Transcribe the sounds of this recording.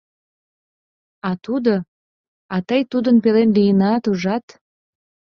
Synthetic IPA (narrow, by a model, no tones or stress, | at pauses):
ɑt̪ud̪o | ɑt̪əjt̪ud̪ənpelenlijənɑt̪uʒɑt̪